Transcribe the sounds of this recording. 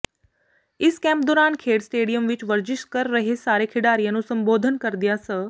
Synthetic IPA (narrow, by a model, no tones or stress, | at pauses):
ɪskɛ̃ːmp̚d̪ɔːɾaːnkʰeːɖsʈeːɽijəmʋɪt͡ʃʋɐɾd͡ʒɪʃkɐɾːɐɦesaːɾekʰɪɽaːɾijənũːsɐ̃mboːd̪ʱənkɐɾd̪ijasə